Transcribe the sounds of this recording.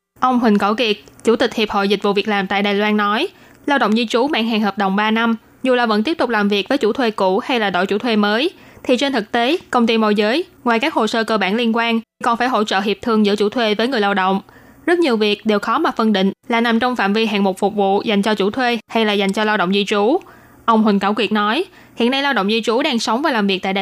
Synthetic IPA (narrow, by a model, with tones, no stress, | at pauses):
ʔə˧wŋ͡mɦwï˨˩ŋ̟kɔ˧˩wki˨˩ət̚t͡ɕu˧˩t̪ï˨˩k̟̚hi˨˩p̚ho̰˧˨jzï˨˩k̟̚vṵ˧˨vi˨˩ək̚laː˨˩mt̪a̰ː˧˨jɗaː˨˩jlwaː˧nːɔ˨˦j | laː˧wɗə̰˧˨ŋ͡mzi˧t͡ɕu˨˩˦ma̰ː˧˥ŋɦaː˨˩ŋhəː˨˩p̚ɗə˨˩wŋ͡mɓaː˧na˧m | zu˨˩laː˨˩və̰˧˥t̪i˦˥əp̚t̪k͡p̚laː˨˩mvi˨˩ək̚vəː˨˦jt͡ɕu˧˩t̪ʰwe˧ku˧˩ha˧jlaː˨˩ɗo̰˧˨jt͡ɕṵ˧˩t̪ʰwe˧məː˨˦jt̪ʰi˨˩t͡ɕe˧nt̪ʰɨ˨˩k̚t̪e˨˦kə˧wŋ͡mt̪i˧mo̰˧˨jzəː˨˦jŋwaː˨˩jkaː˦˥k̚ho˨˩səː˧kəː˧ɓaː˧˩nli˧ənkwaː˧nʰ˨˩kɔ˨˩nfaː˧˩jɦo̰˧˥t͡ɕə̰ː˧˨ɦi˨˩əp̚t̪ʰɨ˨˧˩əŋzɨ̰˧˥ət͡ɕu˧˩t̪ʰwe˧vəː˨˦ŋɨ˨˩əjlaː˧wɗə̰˧˨wŋ͡m | zə˦˥t̚ɲi˨˩əwvi˨˩ək̚ɗe˨˩wxɔ˨˦maː˨˩fɨ˧nɗḭ̈˧˨ŋ̟laː˨˩na˨˩mt͡ɕɔ˧wŋ͡mfa̰ː˧˨mvi˧ɦa̰ː˧˨ŋmo˨˩fʊ˨˩k͡p̚vṵ˧˨za˨˩j̟t͡ɕɔ˧t͡ɕu˧˩t̪ʰwe˧ha˧jlaː˨˩za˨˩jŋ̟t͡ɕɔ˧laː˧wɗə̰˧˨ŋ͡mzi˧t͡ɕu˧˦ | ʔə˧wŋ͡mɦï˨˩ŋ̟kaː˧˩wkwi˨˩ət̚nɔ˨˦j | hḭ˧˨nːa˧jlaː˧wɗə̰˧˨wŋ͡mzi˧t͡ɕu˨˦ɗaː˧ŋsə˨˦wŋ͡mvaː˨˩laː˨˩mvi˨˩k̚t̪aː˧˨ɗə˧˨